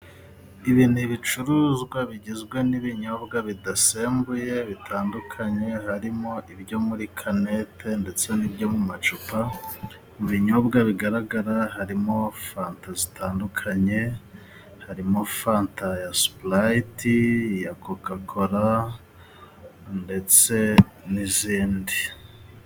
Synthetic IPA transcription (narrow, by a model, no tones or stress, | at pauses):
iβinuβit͡ʃuɾuːzɡwaβiɟizɡwe̞niβiɲo̞bɡaβidase̞ːmbuje̞βitʰaːndukʰaɲe̞haɾimo̞ʔibɟo̞muɾikʰane̞tʰe̞nde̞t͡se̞nibɟo̞mumat͡ʃupa | muβiɲo̞bɡaβiɡaɾaɡaɾaɦaɾimo̞faːntazitaːndukʰaɲe̞ | haɾimo̞faːntʰajasu̥plajitijakokakʰo̞ɾa | nde̞t͡se̞niziːndi